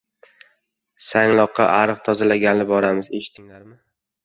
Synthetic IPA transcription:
saŋlˠɒqʰːɑʔaɾɨq̚t̪ʰɒzalaɡʲanlɪbɒɾamɪze̞ʃɪ̥t̪ʰːɪŋlaɾmɪ

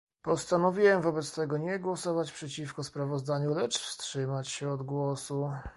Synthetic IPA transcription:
pɔst̪anɔvʲiwɛmvɔbɛt̪st̪ɛɡɔɲɛɡwɔsɔvat͡ɕpʂɛt͡ɕifkɔspɾavɔzd̪aɲulɛt͡ʂfstʂɘmat͡ɕɕɛɔd̪ɡwɔsu

